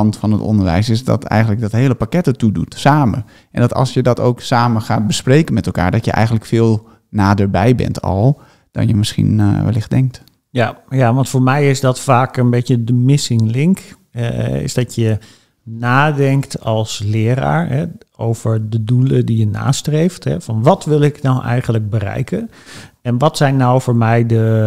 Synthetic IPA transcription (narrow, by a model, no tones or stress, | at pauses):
ɑntfɑnətɔ̰ndəɹʋɛ̰jsɪsdɔ̰tɛ̰jɣəndlək̚dɔtɦeːləpakɛtətudutsaːmə̰ | ʔɛndɔtɑ̰lˠsjədɔto̰wksaːməxaːt̚bəspreːkənmɛtɛlˠka̰ːɹdɔtjə̰ʔɛ̰jɣən̩tləkfɪːlˠ | naːdəɹbɛjbɛ̰ntʰɔ̰lˠ | d̥ɔ̰njəmɪsχḭnʋɛlɪxdɛŋk̚t | jajaʋɑntfoːɹmɛjɪsdɔtfaːkənbejtjədəmɪsɪŋlɪŋk | ɛɛ̰ɪ̰sdɔtjə | naːdɛŋktɔlˠslɪːəɾa̰ːɹɦɛowvəɹdədulədijəna̰ːstrejftɦɛ̰fɔnʋɔtʋɪlˠɪknɔwʔɛ̰jχənləɡ̚bəɾɛ̰jkən | ɛnʋɔtsɛjnːawfʊːɹmɛjdə